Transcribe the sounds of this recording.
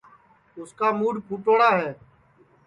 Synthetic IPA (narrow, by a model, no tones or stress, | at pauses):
ʊskaːmuːɖpʰʊːʈoːɽaːɦɛ̃ː